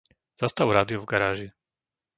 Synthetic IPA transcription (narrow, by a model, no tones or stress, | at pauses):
z̥ast̪aʊɾaːd̪iɔvɡaɾaːʒi